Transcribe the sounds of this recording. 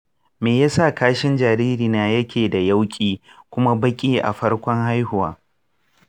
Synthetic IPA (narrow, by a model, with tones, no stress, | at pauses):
meː˨jaː˦sa˦˨kaː˦ʃɪ˦nd͡ʒaː˨ɾiː˦ɾiː˨naː˨˦jɐ˦kʲʰeː˨da˨ja˦wkʲʼiː˦kʷʊ˦ma˦bɐ˦kʲʼiː˦ʔa̰˨ɸɐ˦ɽkʷɔ˦ŋha˦jhʊ˨wa̰ː˦